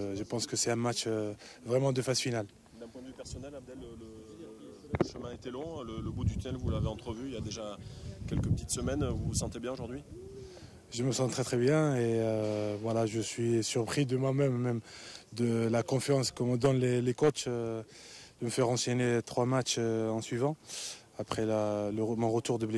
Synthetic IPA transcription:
ʒəpɑ̃skəsɛɛ̃matt͡ʃøvʁɛmɑ̃d̪əfazfinal | d̪ɛ̃pwɛ̃d̪vypɛʁsɔnɛlab̚d̪ɛlːələ | ʃəmɛ̃et̪elɔ̃lələbud̪yt̪ynɛlvulaveɑ̃t̪χəvyiljad̪eʒakʲɛlkəpət̪it̪səmɛnvuvsɑ̃t̪ebjɛ̃oʒuʁd̪ɥi | ʒəməsɑ̃t̪χɛt̪χɛbjɛ̃eøvwalaʒəsɥisyʁpχid̪əmwamɛmːɛmd̪əlakɔ̃fjɑ̃skəmd̪ɔnlelekɔt͡ʃ | d̪̥əməfɛʁɑ̃sɛnet̪χwamat͡ʃɑ̃sɥivɑ̃ | apχɛlələmɔ̃ʁət̪uʁd̪əble

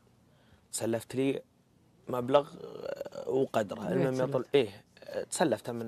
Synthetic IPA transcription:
t̪sælːæft̪li | mæbləɣ | wqɑd̪ɾˤɑə̰lmæmit̪ˤulʔit̪sælːæft̪æmən

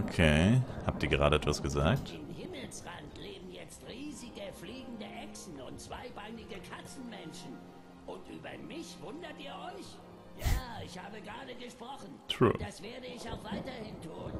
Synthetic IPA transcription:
ʔokʰehaːp̚tiːɐɡəʁaːɾəɛtv̥asɡ̥əzaːk̚tɪmhɪml̩sʁantleːbm̩jɛt͡stʁiːzɪɡəfliːɡŋ̩dəʔɛksn̩ʊntt͡sv̥a̰ɪbaɪnɪɡəkʰat͡sn̩mɛnʃn̩ | ʔʊntʔyːbɐ̰mɪçv̥ʊndɐtʔiːɐʔɔʏç | jaːɪçhaːbəɡʁaːdəɡəʃpʁ̥ɔχn̩tʁ̥ṵːd̥asv̥eːɐdəɪçaʊxv̥aɪtɐhɪntʰuːn

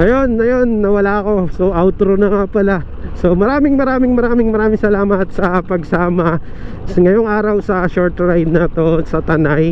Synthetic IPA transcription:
ʔɐjo̞nːɐjo̞nːɐwɐlaɐko̞soʔawt̪ɾonɐŋapɐla | so̞mɐɾaːmɪŋmɐɾaːmɪŋmɐɾaːmɪŋmɐɾaːmɪŋsɐlaːmɐt̪̚sɐpɐɡsaːmɐ | sŋɐjoŋaːɾɐwsɐʃoɹt̪ɾajd̪̚naːt̪o̞sɐt̪ɐnaj

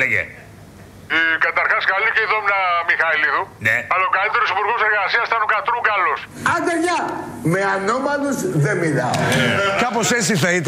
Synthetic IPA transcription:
leʝḛ | ekɐt̪ɐɾxɐskaliceiðomnɐmixɐiliðuneɐlaokalit̪eɾosipuɾɣo̞seɾɣasiɐst̪ɐnokat̪ɾuŋɡɐlos | ɐnd̪ɐɲɐ | meanomɐluzðemilɐokɐposesiθɐit̪

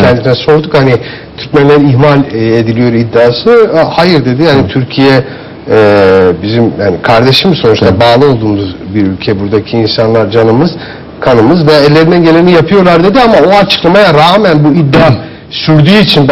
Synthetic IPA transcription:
ɛnd̪inɛso̞ɾd̪ukhani | t̪ʰyɾcmænlʲeɾiçmalʲed̪ilʲijo̞ɾid̪ːaːsɯhajɯɾd̪e̞d̪ijhanit̪ʰyɾcʰijɛ | ɛbizimhanikʰaɾd̪e̞ʃɯmso̞nut͡ʃt̪ʰabaːlˠɯo̞lˠd̪uːmuzbiɾylʲcʰɛbuɾd̪acʰiːnsanlˠaɾd͡ʒanɯmɯz̥ | kʰanɯmɯzvɛːlʲːe̞ɾinɛɟe̞lʲeinijapʰɯjo̞lˠaɾd̪e̞d̪iamao̞at͡ʃʰɯ̥klˠamajaɾaːmænbuid̪ːaː | syɾd̪yːit͡ʃʰinb

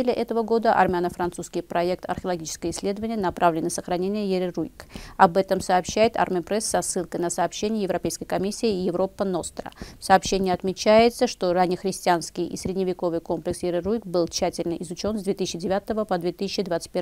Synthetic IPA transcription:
elʲɪʔɛt̪əvəɡo̞d̪əʔɐ̰rmʲɪanəfɾɐnt̪suskʲɪjpɾɐɛk̚t̪ɐ̰rxʲəlˠɐɡʲit͡ɕɪ̥skəjəɪsʲlʲe̞d̪əvənʲɪjənɐpɾʔavlʲɪnːəsəxɾɐnʲenʲɪjəjɪɾʲɪrujkɐbɛt̪əmsɐːpɕːæjɪt̪a̰rmʲɪpɾɛsːɐsːɨlˠkəjnəsɐːpɕːenʲɪjəjɪvɾɐpʲejskəjkɐmʲisʲːɪɪjɪvɾo̞pːəno̞st̪ɾə̰fsɐːpɕːenʲɪɪɐt̪mʲɪt͡ɕæjɪt̪səʂt̪o̞ranʲɪjəxɾʲɪsʲtʲɪanskʲɪjḭsʲɾʲɪd̪ʲnʲɪvʲɪko̞vɨjko̞mplʲɪksjɪɾʲɪrujkbɨlˠt͡ɕːætʲɪlʲnəʔɪzʊt͡ɕo̞nzd̪vʲet̪ɨsʲɪɕɪdʲɪvʲat̪əvəpɐd̪vʲet̪ɨsʲɪt͡ɕːɪd̪vat̪sɨ̥t̚ʲpʲe

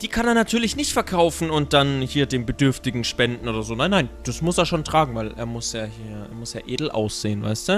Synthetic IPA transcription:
d̥iːkʰaneːɐnatʰyːɐlɪçnɪçtfɛɐkʰaʊfn̩ʊnt̚d̥anhiːɐdeːmbədʏɐftɪɡŋ̩ʃpɛndn̩ʔoːdɐzoːnaɪnːaɪnd̥asmʊseːɐʃoːntʁ̥aːɡŋ̩vaɪlʔḛːɐmʊsjaːhiːɐḛːɐmʊsjaːʔeːdl̩ʔa̰ʊsz̥eːənva̰ɪstu

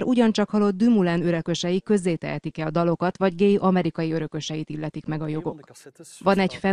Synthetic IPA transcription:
ɾʔuɟɒnt͡ʃɒkhɒlo̞d̪d̪ymulɛnø̞ɾø̞kø̞ʃɛjikø̞zːeːt̪ɛ̰ɦɛt̪ikɛld̪ɒlo̞kɒt̪ʋɒɟɡeːjʔɒmɛɾikɒjiø̞ɾø̞kø̞ʃɛjit̪ilːɛt̪ikmɛɡɒjo̞ɡo̞kʋɒnɛcfɛ

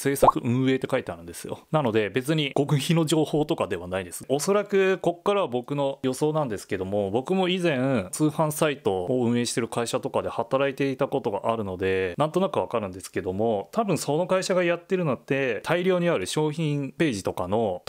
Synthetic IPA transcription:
se̞ːsakɯ̟ʔɯ̟̃ɰ̃e̞ːt̪ːe̞kait̪eaɾɯ̟̃nd̪e̞sɨjo̞̰nano̞d̪e̞be̞t͡sɨɲ̟iɡ̥o̞kɯ̟çino̞ʑo̞ːho̞ːt̪o̞kad̪e̞β̞anaid̪e̞sɨ̥o̞so̞ɾakɯ̟ko̞kːaɾaβabo̞kɯ̟no̞jo̞so̞ːnãnd̪e̞sɨ̥ke̞d̪o̞mo̞bo̞kɯ̟mo̞izẽ̞ɰt͡sɨːhãɰ̃sait̪o̞ːɯ̟̃ɰ̃e̞ːɕi̥t̪e̞ɾɯ̟kaiɕat̪o̞kad̪e̞hat̪aɾait̪e̞it̪ako̞t̪o̞ɡa̰ʔaɾɯ̟nod̪e̞nãnt̪o̞nakɯ̟β̞akaɾɯ̟̃nd̪esɨ̥ke̞d̪o̞mo̞t̪ʰabɯ̟̃ɰ̃so̞no̞kaiɕaɡajat̪ːe̞ɾɯ̟not̪ːe̞t̪ʰaiɾʲoːɲ̟iaɾɯ̟ɕo̞ːçĩŋpe̞ːʑit̪o̞kano̞

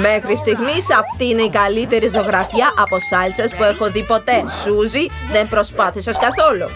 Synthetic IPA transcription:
me̞xɾist̪iɣmisɐft̪iːne̞ikɐlit̪e̞ɾizo̞ɣɾɐfiɐʔɐpo̞sɐlsɐspuexo̞ðipo̞t̪e̞suzi | ðe̞mpɾo̞spɐθisɐskɐθo̞lo

